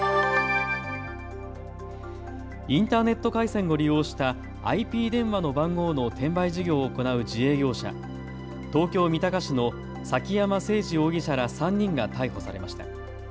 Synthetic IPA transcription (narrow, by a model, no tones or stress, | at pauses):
ĩnt̪aːne̞t̪ːo̞kaisẽ̞ŋɡo̞ɾʲijo̞ːɕi̥t̪a | a̰ipʲiːd̪ẽ̞ɰ̃βano̞bãŋɡo̞ːnot̪ẽ̞mbaiʑiɡʲo̞ːko̞naɯ̟d͡ʑie̞ːɡʲo̞ːɕa̰ | t̪o̞ːkʲo̞ːmʲit̪akaɕino̞ | sakʲijamase̞ːʑio̞ːɡʲiɕaɾasãɲ̟ːĩŋɡat̪aiho̞sa̰ɾe̞maɕi̥t̪a̰